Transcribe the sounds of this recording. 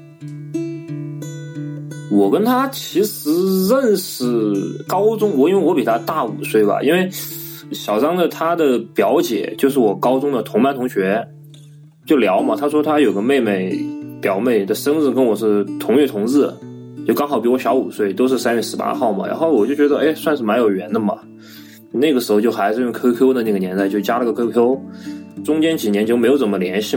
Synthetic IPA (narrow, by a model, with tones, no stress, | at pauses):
wɔ˨˩kə˥nt̪ʰa˥t͡ɕʰi˧˥ʂɻ̩˧˥ɻə˥˧nʂɻ̩˥˧˩kɑ˥ʊʈ͡ʂʊ˥ŋwɔ˨˧˩i˥n˥we˥˩ɪwɔ˧˥pi˨˩t̪ʰa˥t̪a˥˩u˨˩swe˥˩ɪbɐ̰˩ʔi˥nwe˥˩ɪ | ɕjɑ˨˩ʊʂɑ˥ŋd̪ə˨t̪ʰa˥d̪ə˨pjɑ˧˥ʊt͡ɕjɛ̰˨˩t͡ɕjo˥˧ʂ̬ɻ̩˥˩wɔ˨˩kɑ˥ʊʈ͡ʂʊ˥ŋd̪ə˨t̪ʰʊ˧˥ŋpa˥˩nt̪ʰʊ˧˥ŋɕɥɛ˧˥ | t͡ɕjo˥˩ʊljɑ˧˥ʊmɐ˨t̪ʰa˥ʂwɔ˥t̪ʰa˥jo˨˩ʊɡə˧˦me˥˧ɪme˥˩ɪpjɑ˨˩ʊme˥˩ɪd̪ə˩ʂɤ˥ŋt͡sɹ̩˥˧kə˥nwɔ˨˩ʂɻ̩˥˩t̪ʰʊ˧˥ŋɥɛ˥˩t̪ʰʊ˧˥ŋt͡sɹ̩˥˩t͡ɕjo˥˩ʊkɑ˥ŋxɑ˨˩ʊpi˧˥wɔ˧˥ɕjɑ˧˥ʊu˨˩swe˥˩ɪt̪o˥ʊʂ̬ɻ̩˥˩sa˥nɥɛ˥˩ʂɻ̩˧˥pa̰˥xɑ˥˩ʊmɐ̰˩ɻa̰˧˥nxo˥˩ʊwɔ˨˩t͡ɕjo˥˩ʊt͡ɕɥɛ˧˥d̪ə˧ʔe˥˧ɪswa˥˧nʂ̬ɻ̩˥˩ma˧˥njo˨˩ʊɥɛ˧˥nd̪ə˧mɐ̰˩ | na˥˩ɡə˩ʂɻ̩˧˥xo˧t͡ɕo˥˧˩xa˧˥ɪʂɻ̩˥˧jʊ˥˩ŋkʰɤ˥kʰjo˥ʊd̪ə˨na˥˩ɡə˩njɛ˧˥nt̪a˥˧ɪt͡ɕjo˥˩ʊt͡ɕja˥lə˨˧˥ɡə˩kʰɤ˥kʰjo˥ʊʈ͡ʂʊ˥ŋt͡ɕjɛ˥nt͡ɕi˨˩njɛ˧˥nt͡ɕjo˥˩m˧˥o˧˥ʊt͡sə˩mə˦ljɛ˧˥nɕi˥˩